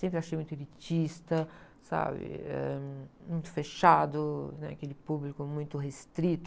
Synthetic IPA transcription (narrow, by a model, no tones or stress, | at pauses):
sẽmpɾɪaʃejmũj̃t̪ʊelit͡ʃist̪ɐ | sa̰bɪ̰ɛ̰mũj̃t̪ʊ̥feʃad̪ʊnɛ̰akelɪpublikʊmũj̃t̪ʊɦest̪ɾit̪